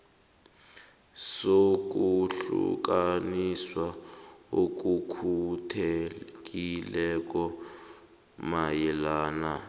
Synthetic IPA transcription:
sok̬ʼuɬṵk̬aniswaok̬ukʰuutʰek̬ʼilɛk̬ɔ | majɛlaːna

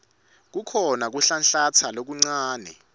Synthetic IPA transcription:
k̬ukʰɔnak̬uɬanɬat͡sʰalok̬uŋ͡ǀaːnɛ̰

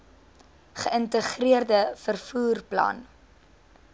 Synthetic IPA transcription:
χəəntəχriərdəfərfuːrplɐ̰n

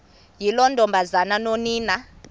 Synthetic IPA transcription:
jilɔndʱɔmbʱazananoniːna

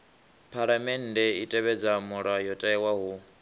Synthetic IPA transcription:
pʰaɺamɛn̩dɛitʼɛβɛd͡zamuɺajɔtʼɛɛwaɦu

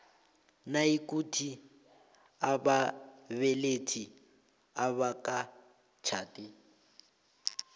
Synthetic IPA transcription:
naikʼutʰi | abaβɛletʰi | aβakʼa | t͡ʃʰaːtʼɪ

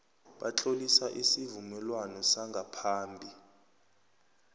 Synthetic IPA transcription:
ɓa̰t͡ɬʼolisaʔisivumɛlwanɔsaŋɡʱapʰaːmbʱi

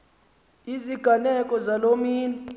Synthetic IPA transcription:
iziɡ̥ʱanɛkʼɔzalomiːn

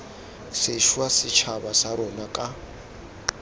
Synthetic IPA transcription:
seʃwasɪt͡ʃʰabasaɾɔnakʼa

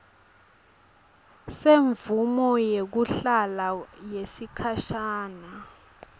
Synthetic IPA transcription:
seɱvumɔjek̬uɬalajesikʰaʃaːna

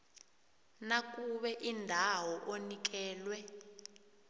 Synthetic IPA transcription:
nak̬ʼuɓɛʔindʱawɔʔonik̬ɛːlwɛ

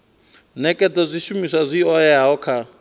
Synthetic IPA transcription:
nɛkʼɛtʼɔzʷiʃumisazʷiɔjaɔkʰa

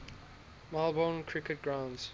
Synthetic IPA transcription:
malˠbɔ̃ːnkʰɹ̥ɪkət̚ɡɹãʊ̃ndz̥

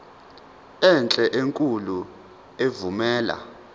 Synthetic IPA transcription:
ɛnt͡ɬʼɛʔeŋkʼulu | evumɛːla̰

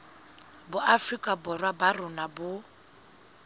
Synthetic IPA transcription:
bʊʔafrikʼabɔrwabarʊnabʊ

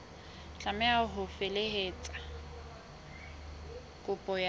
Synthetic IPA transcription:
t͡ɬʼamɛaɦʊfeleheːt͡sʼḁ | kʼʊpʼɔja

